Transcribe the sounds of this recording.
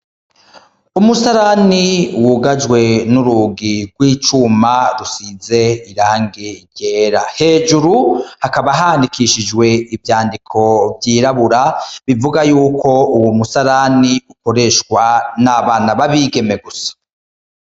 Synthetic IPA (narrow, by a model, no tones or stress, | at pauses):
umusaɾaniwuɡad͡ʒwe̞nuɾuɡiɾɡwiːt͡ʃumaɾusiːze̞iɾaːŋɡiɟeːɾahe̞ːʒuɾuhakaβaɦaːndikiʃid͡ʒwe̞ivjaːndikʰo̞vjiːɾaβuɾaβivuɡajuːko̞uwumusaɾaniuko̞ɾe̞ʃkwanaβaːnaβaβiɡe̞me̞ɡusḁ